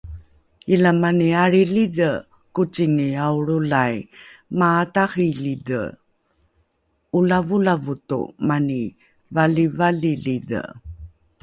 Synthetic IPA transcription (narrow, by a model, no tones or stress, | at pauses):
ilamaniaɾilidə | kut͡siŋiauɾulajmaːtaχilidə̰ | ulavulavutṵmani | valivalilidə̰